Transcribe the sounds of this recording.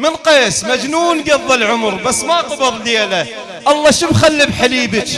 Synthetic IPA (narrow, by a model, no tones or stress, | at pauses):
mɪnqeːsmad͡ʒnuːnɡɑðˤːɪlʕʊmɾbasːmaqɑbɨɾˤleːla | ʔɑlˤːɑːʃəbxalːɪbħaliːbɪt͡ʃ